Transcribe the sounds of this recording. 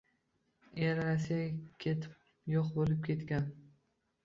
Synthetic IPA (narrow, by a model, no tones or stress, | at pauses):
eɾɾasːijakʲʰe̞t̪ʰɪp | jɒqbolɪp̚kʲe̞t̪kʲan